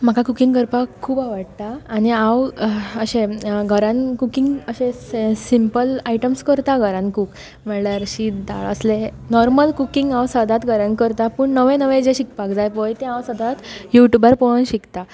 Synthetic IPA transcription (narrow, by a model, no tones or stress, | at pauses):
m̤akʰakukĩŋɡəɾpakʰːuːbaʋəɽt̪aːɽiãwəɕẽɡʱəɾãnkukiŋɡəɕẽsimpəlaiʈəmskəɾt̪aɡʱəɾãnkuk | mɛɭɭjaɾɕiːd̪a̰ɭə̰sle | nɔɾməlkukiŋɡãwsəd̪ʱat̪ɡʱəɾənkəɾt̪apəɳnəʋẽnəʋẽd͡ʑeɕik̚pakd͡zajpɔjt̪ẽãwsəd̪ʱat̪juʈjubəɾpɔɭənɕikt̪a